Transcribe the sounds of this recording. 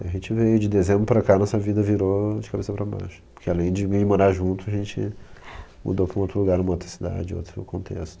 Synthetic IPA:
aʒẽnt͡ʃɪvejʊd͡ʒɪd̪ezẽmbɾʊpɾakanɔsɐvid̪ɐviɾod͡ʒɪkabesɐpɾɐba̰jʃʊ̥poɾkealẽj̃d͡ʒɪɪmoɾaʒũnt̪ʊɐʒẽnt͡ʃɪ̰ | mṵd̪opɾɐ̃ũowt̪ɾʊluɡaɾnũmɐowt̪ɾɐsid̪a̰d͡ʒɪo̰wt̪ɾʊkõnt̪ʰḛst̪ʊ̥

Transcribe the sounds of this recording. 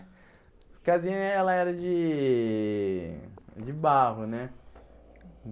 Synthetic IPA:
kazĩɲɐɛlɐɛɾɐd͡ʒɪ | d͡ʒɪbaɦʊnɛ

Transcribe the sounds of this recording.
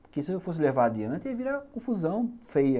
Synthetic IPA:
kɪsɪewfos̬ɪlevad̪iɐ̃nt̪ɪeviɾɐkõfuzɐ̃w̃fejɐ

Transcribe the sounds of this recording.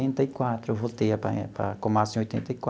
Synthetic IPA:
ẽnt̪ɐikwat̪ɾʊvot̪eɐpa̰pa̰kõmasĩojt̪ẽnt̪ɐikwa

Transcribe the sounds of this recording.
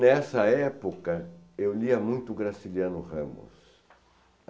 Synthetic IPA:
ɛsɐɛpokɐewliɐmũj̃t̪ʊɡɾasiljãnʊʁẽmʊ̰s

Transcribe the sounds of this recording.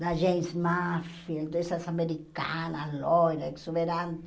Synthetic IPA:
d̪aʒejsmafild̪esasameɾika̰nalojɾaksuβeɾan

